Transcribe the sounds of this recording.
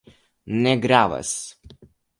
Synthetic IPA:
nɛɡɾaːʋɐ̰s

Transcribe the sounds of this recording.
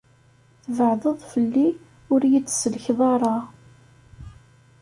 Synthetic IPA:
θəvəʕðˤəðˤfəlːi | ʊɾjət͡sːsəlçðˤɑɾˤɑ

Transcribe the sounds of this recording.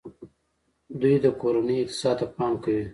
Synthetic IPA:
d̪ujd̪əkoɾanəɪq̚t̪ɪ̥sɑd̪̚t̪apɑmkawi

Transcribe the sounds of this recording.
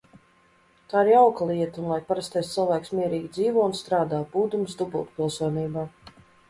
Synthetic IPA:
t̪aːiɾjawklˠiɛt̪unlˠajpaɾast̪ʲɛst̪sɨlˠvaːjksmʲiɛɾiːɡʲid̪ziːvɔunst̪ɾaːd̪aːbuːd̪ums̬d̪ubṵlˠt̪̚pʲilˠsuɔniːbaː

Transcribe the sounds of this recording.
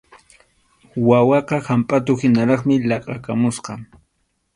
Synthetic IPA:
wawɑqɑhampʼat̪̬ʊhɪnaɾɑχmɪlɑqʼɑkamʊsqɑ

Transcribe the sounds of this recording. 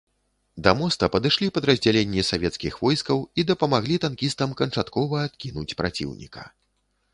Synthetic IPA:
d̪ɐmɔst̪ɐpɐd̪ɨʂlʲipɐd̪ɾɐzʲd͡zʲalʲenʲːisavʲɛt̪skʲixvɔjskɐwid̪ɐpɐmaɣlʲit̪ankʲist̪ɐmkɐnt͡ʂat̪kɔvɐːt̪kʲinut͡sʲpɾa̰t͡sʲḭwnʲḭkɐ̥̰

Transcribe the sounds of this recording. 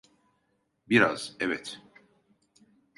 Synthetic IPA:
biɾa̰z̥ɛvɛt̪

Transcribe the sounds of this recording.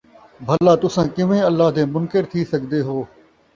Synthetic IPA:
bʱəlaːt̪ʊsãːkɪʋẽːəlːaːɦd̪ẽːmʊnkɪɾt̪ʰiːsəɡd̪eːɦoː

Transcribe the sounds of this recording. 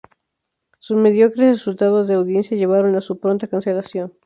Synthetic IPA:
susme̞ðjo̞kɾesresult̪aðo̞zðeawðje̞nsjaʝe̞β̞aɾo̞nasupɾo̞nt̪akanse̞lasjo̞n

